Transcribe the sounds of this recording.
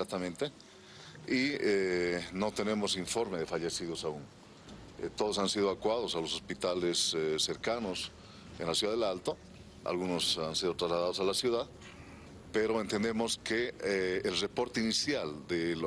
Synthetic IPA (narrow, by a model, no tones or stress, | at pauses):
sak̚t̪amẽnt̪e | ieno̞t̪e̞ne̞mo̞siɱfo̞ɾme̞ðe̞faʎe̞siðosauŋ | t̪o̞ðos̬ansiðoakwaðo̞salos̬ospit̪alessːe̞ɾkano̞s | enlasjuðaðelalt̪o | a̰lɣunosansiðo̞t̪ɾazlað̞aðosalasjuðað | peɾo̞ent̪end̪e̞moskeːlrepo̞ɾt̪einisjald̪el